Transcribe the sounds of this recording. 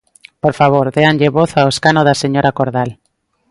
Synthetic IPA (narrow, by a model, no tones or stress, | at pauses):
poɾfaβ̞oɾðeanʎeβoθaoeskanoðaseɲoɾakoɾðal